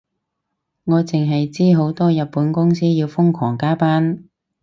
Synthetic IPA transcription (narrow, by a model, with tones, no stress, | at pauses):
ŋɔː˨˧t͡sɪ˨ŋɦɐ˨jt͡siː˥ɦo˨˥wt̪ɔː˥jɐ˨t̚pːuː˨˥nkʊ˥ŋsiː˥jiː˧wfʊ˥ŋkʰɔː˨˩ŋkaː˥paː˥n